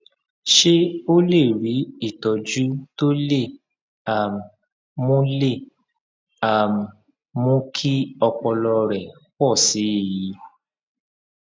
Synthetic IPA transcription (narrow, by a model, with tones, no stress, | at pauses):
ʃe˦o˦le˦˨ɾi˨˦i˦˨tɔ˨d͡ʒu˨˦to˦le˦˨ | a˨m̩˨ | mũ˦le˦˨ | a˨m˨ | mũ˦kʰi˦ɔ˧k͡pɔ˧lɔ˧ɾɛ˨ | kɔ˦˨si˨˦e˨ji˨˦